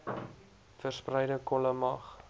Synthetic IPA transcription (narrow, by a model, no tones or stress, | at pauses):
fərsprɛjdəkɔləmɐχ